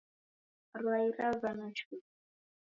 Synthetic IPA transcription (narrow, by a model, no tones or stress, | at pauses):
rwaiɾavanat͡ʃʰu